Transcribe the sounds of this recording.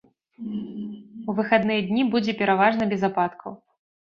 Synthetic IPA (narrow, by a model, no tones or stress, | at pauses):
uvɨxad̪nɨjɛd̪ʲnʲibud͡zʲɛpʲɛɾavaʐnɐbʲɛzapat̪kʰɐw